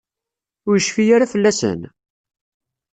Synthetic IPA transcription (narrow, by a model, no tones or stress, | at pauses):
ʊɾjəʃfijaɾafəlːæsə̰n